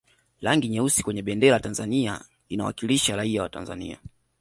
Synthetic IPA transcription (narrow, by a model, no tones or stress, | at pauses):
laŋɡiɲɛusi̥kwɛɲɛɓɛndɛɾaatanzania̰ | inawa̰kiliʃaɾaiawata̰nza̰nḭa̰